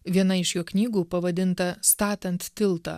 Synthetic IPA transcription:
ʋʲiɛnɐɪʃjoːknʲiːɡuːpɐʋɐd̪ʲɪnt̪ɐst̪ɑːt̪ʲɛnt̪ːʲɪlˠt̪ɑ̰ː

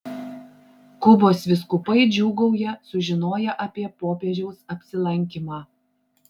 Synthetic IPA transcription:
kʊboːsʋʲɪs̬kʊpɐɪd͡ʒʲuːɡɐʊjɛsʊʒʲɪnoːjɛʔɐpʲiɛpoːpʲɛʒʲɛʊsɐpʲsʲɪlˠɐŋʲk̬ʲimɑː

